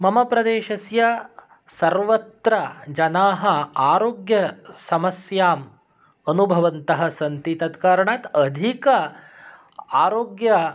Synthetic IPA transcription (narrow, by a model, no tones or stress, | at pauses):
mɐmɐpɾɐd̪eːʃɐsjɐ | sɐɾʋɐt̪ɾɐd͡ʒɐnaːɦɐ̆aːɾoːɡjɐsɐmɐsjaːm | ɐnubʱɐʋɐnt̪ɐɦɐ̆sɐnt̪it̪ɐt̪kaːɾɐɳaːt̪ɐd̪ʱikɐ | aːɾoːɡjɐ